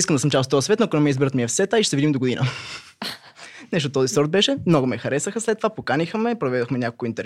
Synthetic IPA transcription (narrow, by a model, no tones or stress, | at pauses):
iskəmd̪ɐsəmt͡ʃast̪ɔəsvɛt̪nokonɛmiɛizbiɾət̪miɛfsɛt̪aiʃt̪ɛvid̪imd̪oɡod̪inə̰ | nɛʃ̬t̪ot̪ɔzisɔɾd̪̚bɛʃɛmnɔɡʊmɛxɐɾɛsəxəslɛt̪ːovapokanixəmɛpɾovɛd̪oxmɛnʲakolˠkʊint̪ɛɾ